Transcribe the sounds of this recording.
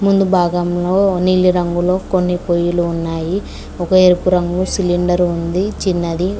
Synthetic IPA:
mund̪ubʱaːɡɐmloːnilːiɾɐŋɡulo̞ːkonːipojuluːnːaːji | ɔkɐeɾupuɾɐŋɡusiliɳɖɐɾund̪it͡ʃinːɐd̪i

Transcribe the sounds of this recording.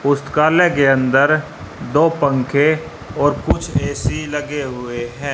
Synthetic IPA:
ʊst̪kaːlekeə̃nd̪əɾ | d̪oːpə̃ŋkʰe | ɔːɾkʊt͡ʃʰɛːsilɐɡeɦʊeɦɛ̃ː

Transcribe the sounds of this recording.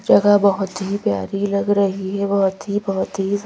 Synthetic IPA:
d͡ʒɐɡabɐɦʊt̪ɦipja̰ːɾilɐɡɾɐɦiɦɛbɐɦʊt̪ɦibɐɦʊt̪ɦi

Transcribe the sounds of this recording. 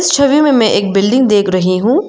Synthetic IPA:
st͡ʃʰɐʋimẽmɛ̃ʔeːk̚bɪlɖɪ̃ŋɡd̪eːkʰɾɐɦiɦũː

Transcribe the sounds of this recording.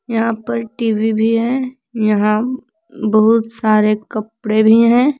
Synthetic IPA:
jɐɦãpɐɾʈiːʋibʱiɦɛ̃ | jɐɦã | bɐɦʊt̪saːɾekɐpɽebʱiɦɛ̃ː

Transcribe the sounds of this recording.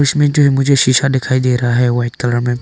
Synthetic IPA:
ɪʃmẽd͡ʒoːɦɛmʊ̃d͡ʒʱeʃiʃad̪ɪkʰaːid̪eːɾɐɦaɦɛʋaːɪʈkɐləɾmẽː

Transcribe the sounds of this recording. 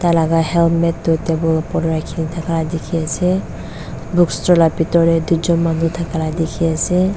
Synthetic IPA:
talaɡahɛlmɛtːɔtebɔlɔpɔdɔɹajkʰinitʰakʰaladɛkʰiasɛ | bukstɹɔlapitɔɹɛduzɔnmanutʰakʰaladɛkʰiasɛ

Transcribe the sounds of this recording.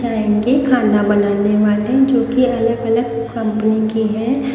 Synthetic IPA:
aːẽɡekʰaːnabɐnaːneʋaːled͡ʒoːkiɐləɡɐləɡ̚ | kɐ̃mpənikiɦɛ̃ː

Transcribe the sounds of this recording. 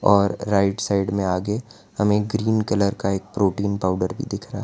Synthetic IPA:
ɔːɾːaːɪʈsaːɪɖmẽaːɡe | hɐmẽɡɾiːnkɐləɾkaeːk̚pɾoːʈiːnpaːʊɖəɾbʱḭd̪ɪkʰɾaː

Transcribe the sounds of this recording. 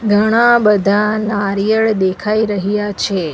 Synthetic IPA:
ɡʱəɽ̃abəd̪ʱanaɾjəɭd̪ekʰaiɾəɦijat͡ʃʰe

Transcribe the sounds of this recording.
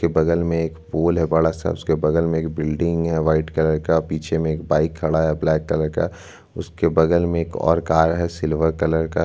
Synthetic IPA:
kebɐɡəlmẽeːkpoːlɦɛbaɽasa̰ʊskebɐɡəlmẽeːkbɪlɖɪ̃ŋɡɦɛʋaːɪʈkɐləɾkapiːt͡ʃʰemẽeːkbaːɪkʰːɐɽaɦɛblɛːkːɐləɾka̰ | ʊskebɐɡəlmẽeːkɔ̰ːɾkaːɾɦɛsɪlʋəɾkɐləɾka

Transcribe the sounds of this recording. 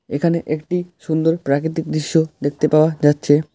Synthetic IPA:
ekʰaneʔek̚ʈiʃund̪oɾpɾakɾit̪ik̚d̪ɾiʃːod̪ek̚ʰt̪epaoad͡ʑatːɕʰe

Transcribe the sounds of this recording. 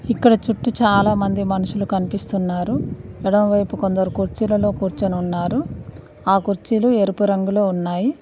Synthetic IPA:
ikːɐɽɐt͡ʃuʈːut͡ʃaːlaːmɐnd̪imɐnuʃulukɐnipist̪unːaːɾuɛɽɐmʋɐjpuko̞nd̪ɐɾukuɾt͡ʃilɐlo̞ːkuːɾt͡ʃɐnɐunːaːɾu | aːkuɾt͡ʃilue̞ɾupuɾɐŋɡuloːunːaːji

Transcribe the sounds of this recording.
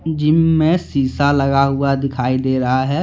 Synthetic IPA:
d͡ʒɪmmẽsiːsalɐɡaɦʊad̪ɪkʰaːid̪eːɾɐɦaɦɛː

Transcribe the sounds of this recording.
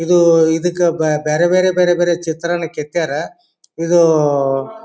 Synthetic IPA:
id̪uid̪ɐkːebeːɾebeːɾebeːɾebeːɾet͡ʃit̪ɾɐnɐket̪ːijaːɾe | id̪u

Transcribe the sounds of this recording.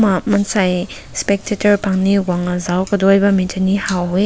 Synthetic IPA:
mamɐnsaj | spek̚tʰetɐɾpʰaŋniwaŋɐzawkɐdɔjbɐmintʰɐnihawɦoj

